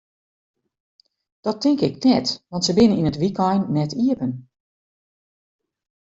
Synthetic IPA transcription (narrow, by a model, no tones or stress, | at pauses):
d̥ɔtʰɪŋkɪknɛtʋɑntsəbɪnəninətʋikɔjnːɛtiəpən